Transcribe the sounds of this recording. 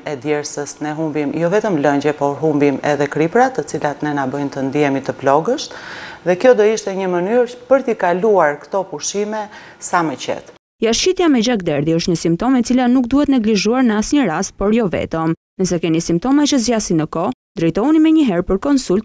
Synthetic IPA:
ɛd̪jɛɾsəsnɛɦumbimjɔvɛt̪əmləɲd͡ʑɛpɔɾɦumbimɛ̰ðɛkɾipɾat̪ət͡silat̪nɛnabəjnt̪ənd̪ijɛmit̪əplɔɡəʃðɛkjɔd̪ɔiʃt̪ɛɲəmənyɾpəɾt̪ikaluaɾkt̪ɔpuʃimɛ | samɛt͡ɕɛ̰t̪ | jaʃit̪jamɛd͡ʑak̚d̪ɛɾðiəʃt̪ɲəsimpt̪ɔmɛt͡silanukd̪uhɛt̪nɛɡliʒuaɾnəasɲəɾast̪̚pɔɾjɔvɛ̰t̪əm | nəsɛkɛnisimp̚t̪ɔmat͡ʃəzjasinəkɔd̪ɾɛjt̪ɔunimɛɲəɦɛɾpəɾkɔnsult̪̚

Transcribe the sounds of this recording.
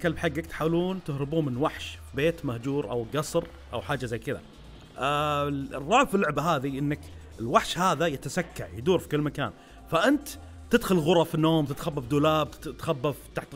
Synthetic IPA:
kalbħaɡːakt̪ħaːwluːnt̪ɪhɾɪbuːmɪnwaħʃbeːt̪mahd͡ʒuːɾʔa̰wɡɑsˤɾ | ʔawħaːd͡ʒːazajːkɪða̰ | rˤːɑːʕfɪlːʊʕbaɦaːðiʔɪnːak | ɪlwaħʃhaːðajɪt̪asakːa̰ʕjd̪uːɾfi̥kɪlːmaka̰ːn | faʔɪnt̪ | t̪ɪd̪xʊlɣʊɾˤɑfinːoːmt̪ɪt̪xabːafd̪uːlaːb̚t̪xabːaft̪aħt̪

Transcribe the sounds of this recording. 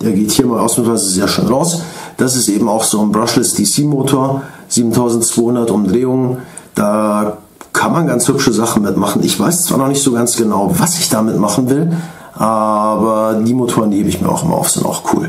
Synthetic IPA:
d̥eːɐɡeːthiːɐɪmaːlʔa̰ʊsuvaɪzəzeːɐʃø̰ːnʁaʊsd̥as̬ɪstʔeːbm̩aʊxz̥oːnbʁasləsd̥iːsiːmoːtʰoːɐz̥iːbm̩tʰaʊzn̩tt͡sv̥oːhʊndɐtʊmdʁeːʊŋn | d̥aː | kʰanmanɡant͡shʏpʃəzaχn̩mɪtmaχn̩ʔɪçv̥aɪst͡sv̥a̰ːnɔχnɪçtz̥oːɡansɡ̥ənaʊvasɪçd̥amɪtmaχn̩vɪl | ʔaːbɐdiːmotʰoːʁəndiheːməɪ̰çmiːɐaʊxɪ̰mɐ̰ʔa̰ʊfz̥ɪ̰nta̰ʊxkʰṵːl

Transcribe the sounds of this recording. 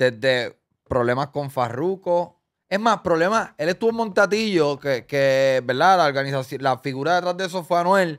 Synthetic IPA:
d̪̥e̞zd̪e̞ | pɾoβlemasko̞ɱfa̰ruko̞ | eɦmaspɾoβle̞mae̞let̪uβomont̪at̪iʝo̞kekebeɾd̪alaoɾɣanisasjolafiɣuɾaðet̪ɾazðees̬ofweanwel

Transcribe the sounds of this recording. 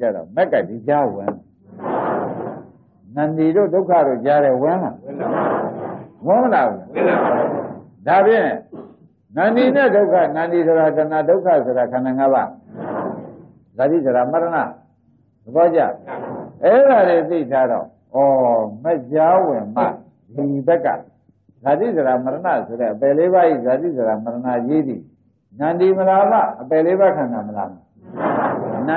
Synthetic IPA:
a̰ɾɔ̰mɛkːadid͡ʑawɪ̰̃nla | nãndidodoʊkʰa̰ɾo̰t͡ɕaɾɛwɪ̃la̰ | wɪ̃məlabul | dabjɪ̃ | nãndinɛdoʊkʰanãnisoɾadãnadoʊkʰasoɾakʰãnãŋaba̰ | zadisoɾamaɾəna̰ | d̪əbɔt͡ɕa̰ʔɛɾadet̪ḭtʰadɔ̰ | ʔɔmɛʔd͡ʑawɪ̃ma̰ | liibɛkːa̰ | zat̪ḭzəɾaməɾəna̰soɾɛ̰ʔəpɛleβaʔḭzat̪ḭzəɾaməɾənajed̪ḭ | nãndiməlama̰ʔəpɛleβakʰãndãməla̰ma̰ | nã

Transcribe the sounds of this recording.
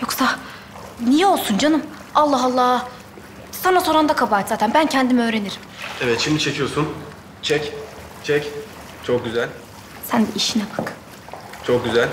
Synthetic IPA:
jo̞ksa | nijɛo̞lˠsund͡ʒanɯm | alˠːaɦɑlˠːaː | sanaso̞ɾand̪akʰabaːɛt̪zaːt̪ʰænbæncʰɛnd̪imø̞ːɾe̞niɾimevɛt̪ʃimd̪it͡ʃʰe̞cʰijo̞sun | t͡ʃʰɛc | t͡ʃʰɛc | t͡ʃʰok̚ɟyzælʲ | sænb̪iʔiʃinɛbak | t͡ʃʰok̚ɟyzælʲ

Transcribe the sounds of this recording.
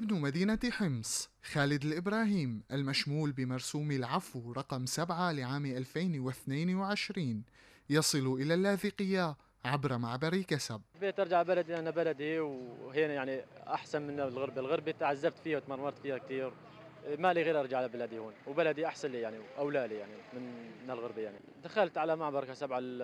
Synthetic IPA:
ʔɪbnmad̪iːnaħɪmsˤxaːlɪd̪ɪlʔɪbɾˤɑːhiːmʔalmaʃmuːlbɪmɑɾˤsuːmilʕafwɾˤɑqɑmsabʕalɪʕaːmʔalfeːnwɪθneːnwʕɪʃɾiːn | jɑsˤɨluʔɪlalːaːθiqɪjːa | ʕabɾˤɑmaʕbɑɾikasab̚lbeːt̪ʔɑɾˤd͡ʒaʕbalad̪iʔanːabalad̪iwɦiːnajaʕniʔaħsanmɪnlɣɑɾbalɣɑɾˤbit̪ʕazːab̚t̪fiːhawt̪mɑrˤmɑɾˤt̪fiːhak̚t̪iːɾ | maliɣeːɾʔɑɾˤd͡ʒaʕalabalaːd̪ihuːnwbalad̪iʔaħsanlijaʕniʔawlaːlijaʕnimɪnmɪnɪlɣɑɾˤbajaʕni | d̪axalt̪ʕalamaʕbɑɾˤkasabʕa

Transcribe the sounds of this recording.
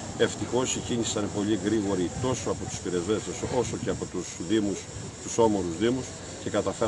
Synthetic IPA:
e̞ft̪ixo̞siciɲisɐnpo̞liɣɾiɣo̞ɾit̪o̞so̞ɐpo̞t̪u̥spiɾe̞zvesseso̞so̞ce̞ɐpo̞t̪usðimus | t̪uso̞mo̞ɾuzðimus | ce̞kɐt̪ɐfe

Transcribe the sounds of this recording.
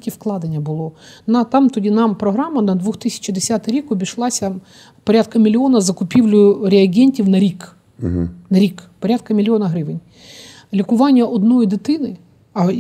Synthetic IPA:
kʲifklˠɑd̪ɐnʲːɐbʊlˠɔnɐt̪amt̪ɔdʲinampɾɔɦɾamːɐnɐd̪ʋuxt̪ɪsʲɐ̥t͡ɕd̪ɪsʲat̪ɪɾʲikɔbʲiʃlˠɑsʲɐ | pɔɾʲat̪̚kɐmʲɪlʲɪonɐzɐkʊpʲiwlʲʊɾʲɪɐɡʲenʲtʲiwnɐɾʲik | nɐɾʲikpɔɾʲat̪̚kɐmʲɪlʲɪonɐɦɾɪʋɪnʲ | lʲikʊʋanʲːjɐʔɔd̪nɔjd̪ɪt̪ɪnɪ | ɐ

